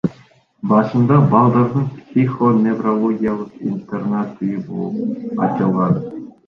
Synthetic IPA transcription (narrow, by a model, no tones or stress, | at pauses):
bɑʂɤ̆nd̪ɑbɑlˠd̪ɑrd̪ɤŋpsʲixonʲevrolˠoɡʲijalˠɤχḭnʲt̪ernɑt̪ːɨjubulˠɤpɑ̰t͡ɕːɤ̆lˠʁɑd̪ɤ̆